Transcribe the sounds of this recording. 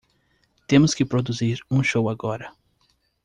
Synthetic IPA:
t̪ẽmʊskɪpɾod̪uziɾũʃowaɡɔɾɐ

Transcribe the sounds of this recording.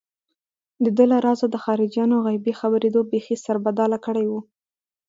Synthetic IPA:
d̪əd̪əlaɾɑzad̪əxɑɾɪd͡ʒjɑnoɣajbixabəɾed̪obexisaɾbad̪ɑlakəɽajwu

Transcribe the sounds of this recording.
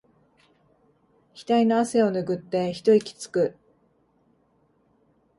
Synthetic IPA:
çʲi̥t̪aino̞ase̞o̞nɯ̟ɡɯ̟t̪ːe̞çi̥t̪o̞ikʲi̥t͡sɨ̥kɯ̟

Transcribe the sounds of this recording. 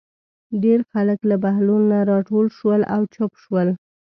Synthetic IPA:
ɖeɾxaləklabahlunːaɾɑʈolʃwəlawt͡ʃopʃwəl

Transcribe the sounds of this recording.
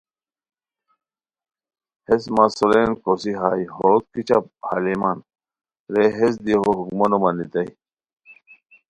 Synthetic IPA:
hesmasolenkosiɦaːjɦot̪̚kit͡ɕaphaliman | ɾeɦes̬d̪iɦoɦukmɐnomɐnit̪ɐj

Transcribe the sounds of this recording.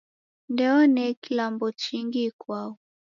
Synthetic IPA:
ndɛɔnɛkilambɔt͡ʃiŋɡikwaɔ

